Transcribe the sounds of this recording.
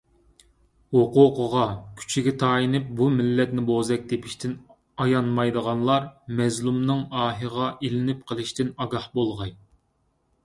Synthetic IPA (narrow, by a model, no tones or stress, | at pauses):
hoqʊqʰəʁɑkʲʰy̥t͡ʃʰiɡʲɛt̪ʰɑːjinɪp̚bumɪlːɛt̪nɪbozɛk̚ʲd̪epʰɪʃt̪ʰɪn | ɑjɑnmɑjd̪əʁɑnlˠɑɾmɛzlˠumnɨŋɑːɦɨʁɑʔilɪnɪp̚qʰəlˠɪʃt̪ɪnɑɡɑhbolˠʁɑj